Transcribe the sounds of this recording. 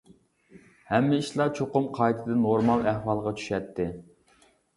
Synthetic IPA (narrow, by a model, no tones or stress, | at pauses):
hɛmːɪiʃlˠɑt͡ʃʰoqʊmqʰɑjt̪ʰɪd̪ɨnoɾmɑlˠæhwɑlˠʁɑt͡ʃʰy̥ʃɛt̪ʰːɪ